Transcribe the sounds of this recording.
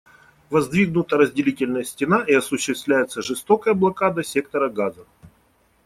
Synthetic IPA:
vɐzd̪vʲiɡnʊt̪əɾəzʲdʲɪlʲitʲɪlʲnəjəsʲtʲɪnaʔiɐsʊɕːɪst̪vlʲæjɪt̪səʐɨst̪o̞kəjəblˠɐkad̪əsʲe̞k̚t̪əɾəɡazəf

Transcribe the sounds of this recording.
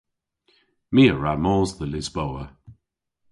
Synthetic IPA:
miːəɹamɔːzðəlɪzbowə

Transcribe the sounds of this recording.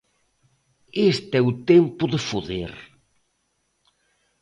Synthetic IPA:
est̪ɛʊt̪empʊðefoðḛɾ

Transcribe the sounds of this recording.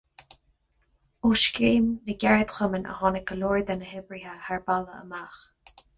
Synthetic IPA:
uʃkeːmnəɡɛɹəd̪xəmənʔə̰hɔnəɡəlɔːɹd̪anəɦɪbɹiɦəhaɹbaləə̰max

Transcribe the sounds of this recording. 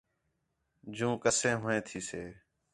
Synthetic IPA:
d͡ʒũːkəsẽːɦʊẽːt̪ʰiːseː

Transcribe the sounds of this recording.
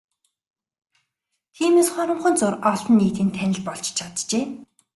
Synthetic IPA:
t̪ʰiːmeːsχɔɾə̆ɴχɞ̆nt͡sʊrɔɮ̆nːiːt̪iːnt̪ʰænʲɪ̆ɮpɔɮt͡ɕt͡ɕʰat̪t͡ɕeː

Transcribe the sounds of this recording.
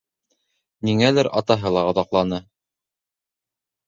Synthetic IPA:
niŋælɘɾʔɑt̪ɑɦɤlˠɑɤ̆ðɑqlˠɑnɤ

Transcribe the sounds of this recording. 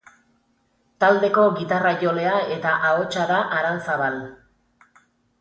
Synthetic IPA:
t̪ald̪e̞ko̞ɣit̪arajo̞le̞ae̞t̪aʔao̞t͡ʃaðaʔaɾansaβal

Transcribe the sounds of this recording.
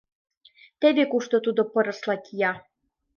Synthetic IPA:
t̪ebʲekuʃt̪ot̪ud̪opɤ̆ɾə̆slˠɑkʲijɑ

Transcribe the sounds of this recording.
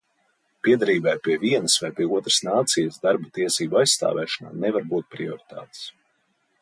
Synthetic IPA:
piɛd̪aɾiːbajpʲiɛviɛnəsvajpʲiɛuɔt̪ɾəsnaːt̪sijəsd̪aɾbat̪iɛsiːbajsst̪a̰ːvɛːʃɔna̰ːnɛvaɾbuːt̪̚pɾiɔɾit̪a̰ːt̪s

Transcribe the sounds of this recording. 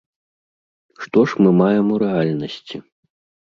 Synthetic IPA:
ʂt̪ɔʂmɨmajɛmuɾɛalʲnɐsʲt͡sʲi

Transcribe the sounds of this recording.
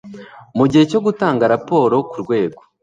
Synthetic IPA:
muɟihe̞co̞ɡutaːŋɡaɾapo̞ːɾo̞kuɾɡwe̞ːɡo

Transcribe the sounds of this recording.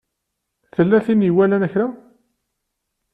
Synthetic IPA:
θəlːæθiniwælænæçɾæ

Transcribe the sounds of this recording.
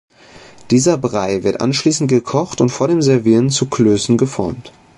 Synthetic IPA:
d̥iːzɐbʁaɪvɪɐtʔa̰nʃliːsn̩t̚ɡ̥əkʰɔχtʊntfoːɐdeːmzɛɐviːʁənt͡sukʰløːsn̩ɡəfɔ̰ɐmt

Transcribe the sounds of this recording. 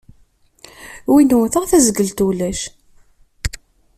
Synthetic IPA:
winuθəʁθæzəɡəlt̪ulæʃ

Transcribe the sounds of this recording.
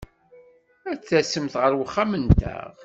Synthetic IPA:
æt͡sːæsəmθʁəɾwəχːamənt̪ə̰ʁ

